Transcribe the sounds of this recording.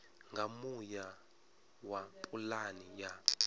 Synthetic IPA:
ŋɡʱamuja | wapʼulanija

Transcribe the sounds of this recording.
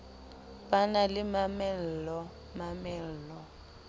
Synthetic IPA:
banalɪmamɛl̩lɔ | mamɛl̩ːlɔ

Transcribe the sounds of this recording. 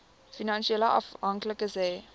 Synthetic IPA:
finãnʃiɛləɔ̰fãŋkləkəzeː

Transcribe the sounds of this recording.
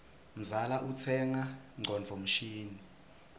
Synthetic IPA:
m̩zalaʔut͡sʰɛŋaŋ͡ǀʱɔnd͡vʱɔm̩ʃiːni

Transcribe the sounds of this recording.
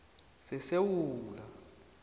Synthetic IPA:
sɛsewuːla

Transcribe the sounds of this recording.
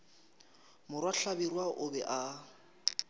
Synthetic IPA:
mʊrwaɬabirwaʔʊbɛʔa

